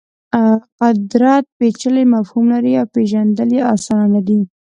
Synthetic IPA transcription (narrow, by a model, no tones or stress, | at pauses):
aqad̪ɾɑt̪̚pet͡ʃəlemafhumlaɾiawpeʒand̪əleɑsɑnnad̪i